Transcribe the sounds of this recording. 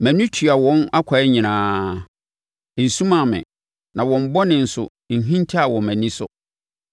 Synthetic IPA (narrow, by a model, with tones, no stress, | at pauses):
mæ̃˨nũ˦tʰɥa˨wɔ̃˦na˦kʷʰa˨ɛ˦ɲĩ˨nãː˦ | n̩˨sũ˦mã˨mɪ̰̃˨ | nã˨wɔ̃˨m˦bɔ˦nɪ̃˨n̩˨sʊ̰˨ | n̩˨ɦĩ˦ntʰi˦a˨wɔ̃˨mæ̃˨nĩ˦sʊ˦